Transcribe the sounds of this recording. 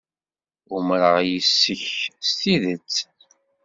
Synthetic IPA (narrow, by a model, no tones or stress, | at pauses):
ʊmɾəʁjəsːəçst̪iðət͡sː